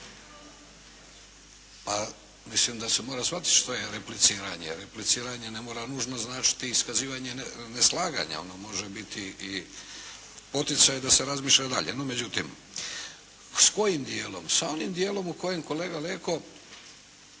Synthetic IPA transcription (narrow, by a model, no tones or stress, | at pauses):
pa | mislimd̪ase̞moɾasʋat̪i̥t̪ʃt̪oje̞ɾeplit̪siːɾaɲḛɾeplit̪siːɾaɲe̞ne̞moːɾanuːʒnoznaːt͡ʃi̥t̪iːskaziːʋaɲe̞neslˠaːɡa̰ɲa̰o̞̰nomo̞ʒebit̪ii | po̞t̪it̪sajd̪aseɾazmiːʃʎad̪a̰ʎe̞nome̞d͡ʑut̪im | sko̞jimd̪jeːlo̞̰msao̞nimd̪jeːlˠo̞muko̞jemko̞le̞ːɡaleːko̞